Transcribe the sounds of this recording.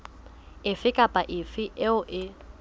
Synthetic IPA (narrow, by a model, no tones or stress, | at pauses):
ɪfɪkʼapʼaʔɪfɪʔɪʊʔɪ